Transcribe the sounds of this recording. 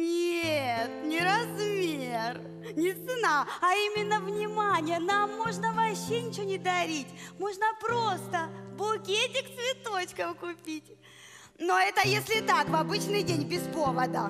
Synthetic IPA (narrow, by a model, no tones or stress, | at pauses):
nʲet̪nʲɪɾɐzmʲer | nʲɪt̪sɨnaɐimʲɪnːəvnʲɪmanʲɪjənamːoʐnəvɐɕːenʲɪt͡ɕɪvonʲɪd̪ɐɾʲitʲmo̞ʐnəpɾost̪əbʊkʲetʲɪkt̪svʲɪt̪o̞t͡ɕkəfkʊpʲitʲ | noɛt̪əjesʲlʲɪt̪akvɐbɨt͡ɕnɨjdʲenʲbʲɪspo̞vəd̪ə̰